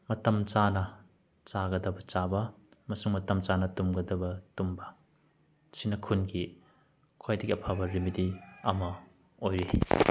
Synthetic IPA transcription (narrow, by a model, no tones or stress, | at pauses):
mɐtɐmt͡ʃanɐ | t͡ʃaɡɐdɐbɐt͡ʃabɐmɐsuŋmɐtɐmt͡ʃanɐtumɡɐdɐbɐtumbɐ | sinɐkʰunki | kʰojdɐɡiɐpʰabɐɾimitiɐmɐ | ojɾi